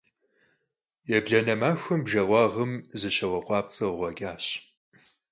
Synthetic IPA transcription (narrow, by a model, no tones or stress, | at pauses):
jɛbɮɐnɐmaːxʷɨmbʒɐʁʷɑːʁəmzɨɕɐwɐqʷʼɑːp̚t͡sʼɨʁʷɔɡʲaːɕ